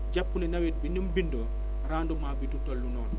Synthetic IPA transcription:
ɟapːunɛnɐwit̚binumbindoː | ɾaːndumaːbitutolːunɔːn

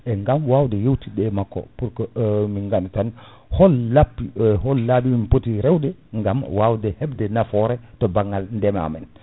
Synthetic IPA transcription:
ʔɛŋɡamwawdɛjewtiɗɛmakːɔ̰puɾkɔmiŋɡantan | hɔlːapːihɔlːabimimpotiɾɛwdɛŋɡamwaːwdɛhɛbdɛnafɔɾɛtɔbaŋːalndɛma̰mɛn

